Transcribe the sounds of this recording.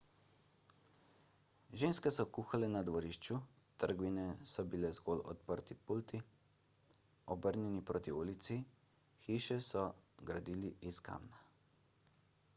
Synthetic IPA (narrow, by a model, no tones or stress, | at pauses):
ʒeːnskɛsɔkuːxalɛnad̪ʋɔɾiːʃt͡ʃu | t̪əɾɡʋinɛsɔbilɛzɡoːlɔ̰t̪̚pəɾt̪ipult̪i | ɔbəɾnjɛnipɾoːt̪iuːlit̪si | xiːʃɛsɔɡɾad̪iːliiska̰mna